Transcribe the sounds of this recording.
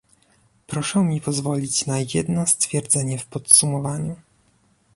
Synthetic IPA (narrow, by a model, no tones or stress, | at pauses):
pɾɔʂɛmʲipɔzvɔlʲit͡ɕnajɛd̪nɔst̪fʲjɛɾd̪zɛɲɛfpɔt̪sumɔvaɲu